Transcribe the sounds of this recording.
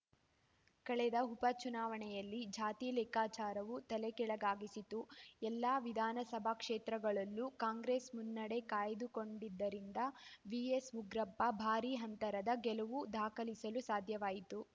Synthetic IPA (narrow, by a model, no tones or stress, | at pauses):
kɐɭɛd̪ɐɦupɐt͡ʃunaːʋɐɳɛjɐlːid͡ʒaːt̪iːlɛːkaːt͡ʃaːɾɐʋut̪ɐlɛkɛɭɐɡaːɡisit̪uɛlːaːʋid̪ʱaːnɐsɐbʱakʂeːt̪ɾɐɡɐɭɐlːukaːŋɡɾeːsmunːɐɽe̞kaːjd̪uko̞ɳɖid̪ːɐɾind̪ɐʋiesuɡɾɐpːɐbʱaːɾiɦɐnt̪ɐɾɐd̪ɐɡɛlɐʋud̪ʱaːkɐlisɐlusaːd̪ʱjɐʋaːjit̪u